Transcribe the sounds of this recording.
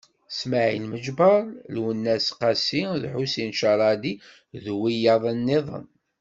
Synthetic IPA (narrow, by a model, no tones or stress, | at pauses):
smaʕḭlməd͡ʒbɑɾˤlwənːæsqɑsiðħusinʃɑɾˤɑd̪i | ðwijɑðˤənːiðˤə̰n